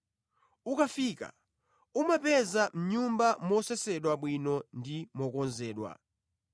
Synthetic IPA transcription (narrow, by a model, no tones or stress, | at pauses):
ukafika̰ | umapɛzam̩ɲumbamɔsɛsɛɗwaɓwinɔndimɔkɔnzɛːɗwa̰